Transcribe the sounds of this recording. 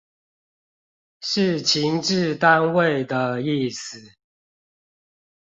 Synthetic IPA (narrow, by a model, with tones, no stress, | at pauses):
ʂɻ̩˥˨t͡ɕʰi˧˦ŋʈ͡ʂɻ̩˥˨t̪a˦nwe˥˨ɪd̪ə˨i˥˩s̩˨˩˦